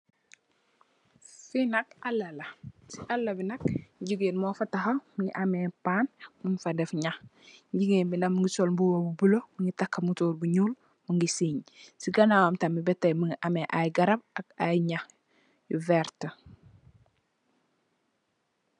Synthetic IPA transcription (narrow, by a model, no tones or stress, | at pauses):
finɐkalːɐlɐsiʔalːɐbinɐk̚ɟuɡenmɔːfɐtaxɐmuŋɡḭʔameːpaːnmuɲfadɛfɲax | ɟiɡembinamuŋɡisolbuwobubulomuŋɡitakːɐmutoːɾbuɲuːl | muŋɡisiɲsiɡɐnawamtamibɛtːejmuŋɡiʔameʔajɡɐɾɐb̚ak̚ajɲax | juvɛɾtə